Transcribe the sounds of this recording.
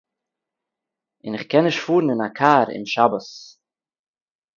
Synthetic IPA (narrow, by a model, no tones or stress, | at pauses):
ɪnɪχkɛnɪʃfuːɾn̩ɪnakʰaːɾɪ̰nʃabəs